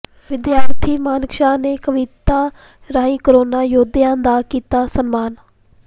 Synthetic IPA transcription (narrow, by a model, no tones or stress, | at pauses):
ʋɪd̪jaːɾt̪ʰiːmaːnkʃaːneːkəʋɪt̪aː | ɾaːĩːkəɾoːnaːjoːd̪ɪjãːnd̪aːkiːt̪aːsənmaːn